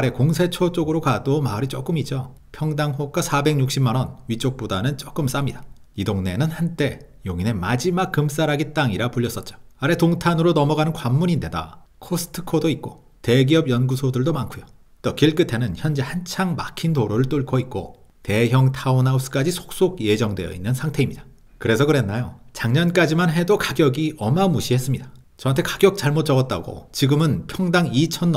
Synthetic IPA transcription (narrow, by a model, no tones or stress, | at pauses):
aɾe̞koŋsʰe̞t͡ɕʰot͡ɕ͈oɡɯɾokadomaɾit͡ɕ͈ok͈ɯmid͡ʑo | pʰjʌŋdaŋɸok͈asʰabe̞ŋɲuk̚ɕ͈imːanʌnɥit͡ɕ͈ok̚p͈odanɯnt͡ɕ͈ok͈ɯms͈amɲida | idoŋne̞nɯnhant͈e̞ | joŋine̞mad͡ʑimak͈ːɯms͈aɾaɡit͈aŋiɾapuʎːjʌs͈ʌt̚t͡ɕ͈o̥aɾe̞toŋtʰanɯɾonʌmʌɡanɯnkwamːuɲinde̞da | kʰosʰɯ̥tʰɯ̥kʰodoit̚k͈o | te̞ɡiʌbjʌnɡusʰodɯɭdomaŋkʰujo | t͈okiɭk͈ɯtʰe̞nɯnçjʌnd͡ʑehant͡ɕʰaŋma̰kʰintoɾoɾɯɭt͈oɭkʰoit̚k͈o̰ | te̞çjʌŋtʰaunaus͈ʰɯ̥k͈ad͡ʑisʰo̥k̚s͈oɡ̚je̞d͡ʑʌŋdwe̞jʌ̰inːɯnsʰaŋtʰe̞imɲid̥a | kɯɾe̞s̬ʰʌkɯɾe̞nːajot͡ɕaŋɲʌnk͈ad͡ʑimanɦe̞dokaɡjʌɡiʔʌmamuɕʰiɦe̞s͈ɯmɲida | t͡ɕʌantʰekaɡjʌk̚t͡ɕ͈aɭmot͡ɕ͈ʌɡʌt̚t͈a̰ɡo̰t͡ɕiɡɯmɯnpʰjʌŋdaŋit͡ɕʰʌnː